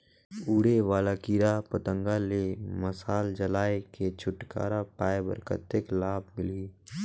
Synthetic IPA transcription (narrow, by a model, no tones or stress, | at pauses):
uːɽeʋaːlakiːɾapət̪ə̃ŋɡaleməsaːld͡ʒəlaːeket͡ʃʰʊʈka̰ːɾapaːebə̰ɾkə̰t̪ːɪklaːb̚mɪli